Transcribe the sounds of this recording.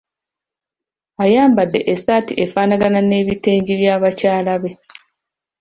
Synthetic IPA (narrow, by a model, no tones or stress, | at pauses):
ajaːmbadːe̞̰ʔesaːtiʔefaːnaɡanane̞ːβite̞ːɲɟiβjaːβacaːlaβe